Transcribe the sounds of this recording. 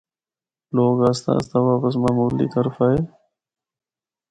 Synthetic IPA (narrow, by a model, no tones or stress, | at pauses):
loːɡaːst̪a̰ːst̪aːʋaːpəs̬maːmuːlḭːt̪əɾfaːɦeː